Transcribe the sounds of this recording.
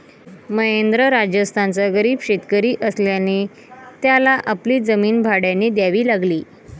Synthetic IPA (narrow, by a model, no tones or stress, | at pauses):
məɦend̪ɾəɾad͡ʑjəst̪ʰant͡saɡəɾiːbɕet̪kəɾiːʔəsljane | t̪jalaʔapliːd͡zəmiːnbʱaɽjanid̪jaʋiːlaɡliː